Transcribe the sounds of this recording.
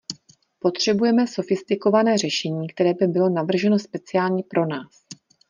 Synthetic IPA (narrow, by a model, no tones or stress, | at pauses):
po̞t̪r̝̥ɛbujɛmɛso̞fɪst̪ɪko̞vanɛːr̝ɛʃɛɲiːkt̪ɛɾɛːbɪbɪlo̞navr̩ʒɛno̞spɛt͡sɪjaːlɲipɾʔo̞naːs